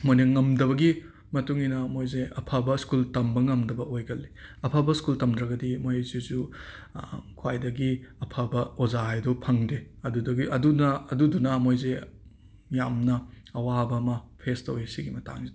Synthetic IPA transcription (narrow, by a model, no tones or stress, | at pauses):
mojnɐŋɐmdɐβɐɡi | mɐtuŋinɐmojzeɐpʰabɐskultɐmbɐŋɐmdɐbɐojɡɐlːiɐpʰabɐskultɐmdɾɐɡɐdimojzezu | kʰwajdɐɡiɐpʰabɐozaɦajdɔpʰɐŋdeɐdudɐɡiɐdunɐdudunɐmojze | jamnɐ | ɐwabɐːmɐpʰestɐwesiɡimɐta̰ŋzi